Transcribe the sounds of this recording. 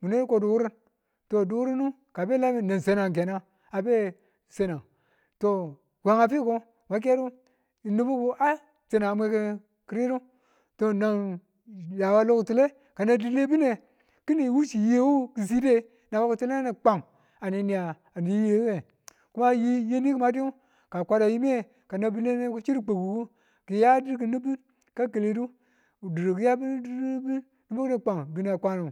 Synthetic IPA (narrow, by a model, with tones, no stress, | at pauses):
mu˨ne˦ko˨du˨u˦ɾi˦n | to˨du˨wu˦ɾi˦nu˦ | ka˨be˦la˦mi˨na˨n˨se˨na˨ŋ˨k̬e˨na˦ | a˨be˦ | se˨na˨ | to˨ | ɡʷa˨ŋa˨pi˦ko˦ | ma˨˦k̬e˦ɾu˦ | i˨nu˦bu˦ku˦ʔa˦ | se˨na˨mʷ˦e˦ki˦ | ki˨ɾi˦ɾu˦ | to˨na˨n | ja˨wa˦lo˦kti˨le˦ | ka˨na˨di˨le˦bi˦ne˨ | ki˦ni˨wu˦t͡ʃi˨je˨˦wu˦ki˨s̬i˦de˦ | na˨wa˦ki˨ti˦le˦a˦ni˨k͡pa˨ŋ | a˨ni˨ni˨ja˨ | a˨ni˨˦je˦we˨ | ku˦ma˦ji˦je˦ni˦ki˦ma˦di˦u˦ | ka˨kʷa˦da˨ji˦mi˦e˦ | ka˨na˨bi˦le˦ne˦ku˦t͡ʃi˦ɾi˦k͡pe˨ɡu˨ku˦ | ki˨ja˦di˦ɾki˨ni˦bi˦n | ka˦ke˨le˨du˦˨ | di˨ɾo˨ki˨˦ja˦bi˦bi˦n | ni˦bo˦kne˨k͡pa˨ŋbi˦ne˨a˨kʷa˦nu˨